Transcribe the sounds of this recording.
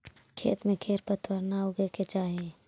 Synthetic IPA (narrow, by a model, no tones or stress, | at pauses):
kʰḛːt̪mẽkʰeːɾpət̪ʰwəɾnaoɡeket͡ʃaːɦe